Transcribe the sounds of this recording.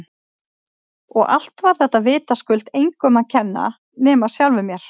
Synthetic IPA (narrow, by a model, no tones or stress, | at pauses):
ɔɣa̰l̥t̪vaɾ̥θɛht̪ːavɪːt̪askʏlt̪ejŋkʰɔmaðcʰɛnːa̰ | nɛːmasjawlvʏmjɛɾ̥